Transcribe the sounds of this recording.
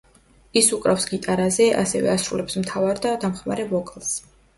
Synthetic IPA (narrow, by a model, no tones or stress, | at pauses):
isukʼɾafsɡit̪ʼaɾazɛʔa̰sɛvɛ̰asɾulɛpsmt̪ʰavaɾd̪ad̪amχma̰ɾɛbɔkʼlˠs